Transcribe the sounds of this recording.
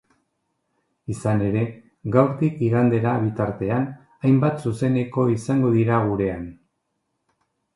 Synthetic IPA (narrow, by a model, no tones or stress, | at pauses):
isane̞ɾe̞ | ɡawɾt̪ikiɣand̪e̞ɾaβ̞it̪aɾt̪e̞an | ajmbat̪suse̞ne̞ko̞isaŋɡo̞ðiɾaɣ̞uɾe̞an